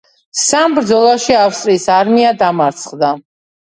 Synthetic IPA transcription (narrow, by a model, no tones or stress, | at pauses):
sambɾd̪zɔlˠaʃiafst̪ʼɾiːsaɾmiad̪amaɾt̪sʰχd̪a